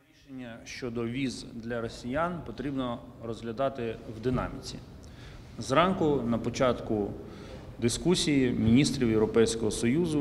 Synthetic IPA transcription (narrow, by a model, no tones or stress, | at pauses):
ɾʲiʃenʲːɐʃt͡ʃɔd̪ɔʋʲizd̪lʲɐɾɔsʲijɑnpɔt̪ɾʲibnɔ | rɔzɦlʲɐd̪ɑt̪ɪwd̪ɪnɑ̰mʲit͡sʲḭ | zrɑnkʊnɐpɔt͡ʃɑt̪kʊ | d̪ɪskusʲijimʲinʲist̪ɾʲiwjewɾɔpɛjsʲkɔɦɔsɔjuzʊ